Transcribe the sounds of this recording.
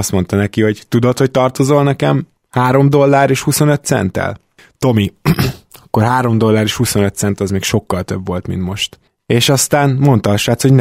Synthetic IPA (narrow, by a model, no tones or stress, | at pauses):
st̪mo̞nt̪ɒnɛkiho̞ɟt̪ud̪o̞t̪ho̞c̚t̪ɒrt̪o̞zolnɛkɛm | haːɾo̞md̪o̞lːaːɾeːʃhuso̞nøt̪sɛ̰nt̪ɛ̰l | t̪o̞mi | ɒkːo̞rɦaːɾo̞md̪o̞lːaːɾeːʃhuso̞nøt̪sɛnt̪ɒzmeːkʃo̞kːɒlt̪ø̞bʋo̞lt̪mḭnt̪mo̞ʃt̪ | eːʃɒst̪aːnmo̞nt̪ɒɒʃaːt̪ho̞ɟn